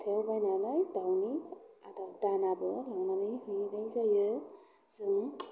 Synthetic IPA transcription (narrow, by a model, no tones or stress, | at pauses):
tʰewbajnanɯjdawniadawdanabɯlaŋnanɯjhɯjnajzajɯ | zɯŋ